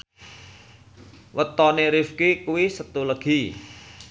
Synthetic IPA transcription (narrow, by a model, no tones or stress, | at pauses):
wət̪ɔneɾifkikuwisət̪uləɡ̥i